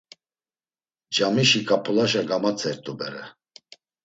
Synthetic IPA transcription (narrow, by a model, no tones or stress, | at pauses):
d͡ʒamiʃikʼapʰulaʃaɡamat͡sʰʼɛɾt̪ʼubɛɾɛ